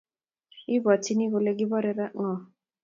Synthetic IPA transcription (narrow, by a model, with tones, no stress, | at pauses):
i˦bɔ˨t͡ʃʰi˦ni˦ko˨le˦ɡi˦bɔ˦ɾe˨ɾa˦ʔŋɔ˨